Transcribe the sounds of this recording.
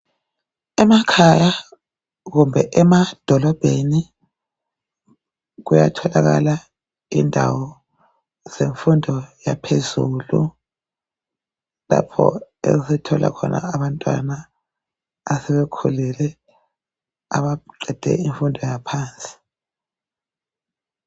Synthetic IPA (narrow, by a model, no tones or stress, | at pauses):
ɛmakʰaja | ɣumbʱɛʔɛmad̥ʱɔlɔb̥ʱeni | ɣuja̰tʰɔlaɣa̰la | indʱawɔ | z̥eɱfundʱɔjapʰezuːlu | lapʰɔ̰ḛɣusɛtʰɔla̰kʰɔnʔa̰ːβantʼwanaː | sɛβɛkʰulɛlɛ | aβaǃʱɛd̥ʱɛ̰iɱfundʱɔjapʰaːnt͡sʼi̥